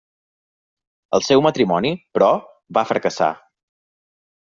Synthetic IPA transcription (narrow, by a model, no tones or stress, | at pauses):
ə̰lˠsɛwmət̪ɾimɔnipɾɔ | βafɾəkəsa̰